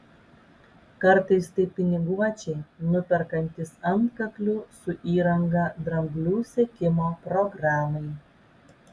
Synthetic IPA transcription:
kɐɾt̪ɐɪst̪ɐɪpʲɪnʲɪɡuɔt͡ʃʲɛɪnʊpʲɛɾkɐnʲt̪ʲɪsɐnt̪kɐklʲʊsʊʔiːɾɐŋɡɑd̪ɾɐmʲbʲlʲuːsʲɛkʲɪmoːpɾɔɡɾɑːmɐɪ

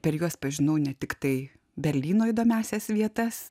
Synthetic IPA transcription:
pʲɛɾjuɔspɐʒʲɪnɐʊnʲɛt̪ʲɪkt̪ɐɪ | bʲɛɾʲlʲiːnoːid̪oːmʲæːsʲɛsʋʲiɛt̪ɐs

